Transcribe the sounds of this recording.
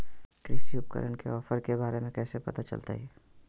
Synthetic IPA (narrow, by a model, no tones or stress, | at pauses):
kɾɪsiʊp̚kə̰ɾənkeɔːfəɾkebaːɾemẽkɛːsepɐt̪at͡ʃə̰lt̪a̰ɦɛː